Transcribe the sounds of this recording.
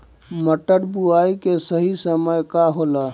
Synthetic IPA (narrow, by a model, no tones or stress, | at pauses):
məʈəɾbuaikesəɦisəməjkaɦolə